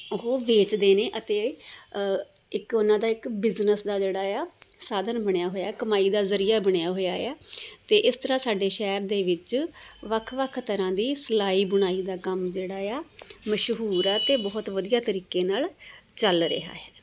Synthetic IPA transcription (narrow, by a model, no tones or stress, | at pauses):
ʊɦoːʋeːt͡ʃd̪eːneːʔət̪eː | ɪkʊnãːd̪aːɪkbɪznəsd̪aːd͡ʒeːɽaːjaːsaːd̪ənbəɳ̃jaːɦoːjaːɛːkəmaːiːd̪aːzəɾiːaːbəɽ̃jaːɦoːjaːjaːt̪eːʔɪst̪əɾãːsaːɖeːʃɛːɾd̪eːʋɪt͡ʃʋəkʰʋəkʰt̪əɾãːd̪iːsəlaːiːbʊɽ̃aːiːd̪aːkəmd͡ʒeːɽaːjaːməʃɦuːɾɛːt̪eːbɔːt̪ʋəd̪ijaːt̪əɾiːkeːnaːlt͡ʃəlɾḛɦa̰ːɛː